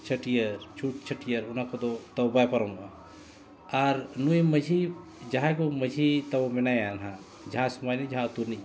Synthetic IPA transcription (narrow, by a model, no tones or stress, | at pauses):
t͡ʃʰəʈijəɾt͡ʃʰuʈ̚t͡ʃʰəʈijəɾunakod̪ot̪ɐwbajpɐɾɔma | aɾnuiməd͡ʒʱi | d͡ʒaɦãkuməd͡ʒʱit̪ɐwminajanɦã | d͡ʒãsmanid͡ʒɦãt̪uɾni